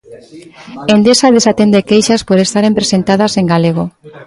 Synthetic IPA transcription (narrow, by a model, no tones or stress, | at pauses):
end̪esaðesat̪end̪ekejʃaspoɾest̪aɾempɾesent̪aðaseŋɡaleɣ̞o